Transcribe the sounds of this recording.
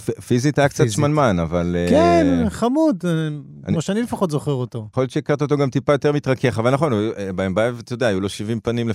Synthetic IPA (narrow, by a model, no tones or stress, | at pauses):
ffizit̪aakt͡sat̪manmanavalkenχamud̪ | a̰nmaʃeanilefaχo̞t̪zoχeʁot̪oχljott͡ʃeikaʁt̪ao̞t̪̬oɡamt̪ipajo̞t̪e̞ʁmit̪ʁake̞χavalnaχo̞nbaembaevt̪jodeaːjulo̞ʃivimpanimle